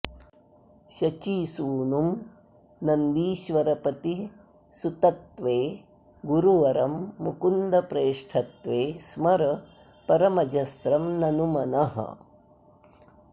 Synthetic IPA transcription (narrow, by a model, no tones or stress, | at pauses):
ʃɐt͡ʃiːsuːnum | nɐnd̪iːʃʋɐɾɐpɐt̪i | sut̪ɐt̪ʋeː | ɡuɾuʋɐɾɐmːukund̪ɐpɾeːʂʈʰɐt̪ʋeːsmɐɾɐ | pɐɾɐmɐd͡ʒɐst̪ɾɐmnɐnumɐnɐɦɐ̰